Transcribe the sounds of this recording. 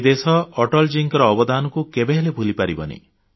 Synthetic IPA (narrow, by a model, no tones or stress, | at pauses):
d̪esɔːʈɔld͡ʒiŋkɔɾɔːbɔd̪anɔkukebeɦelebʱulipaɾibɔnḭ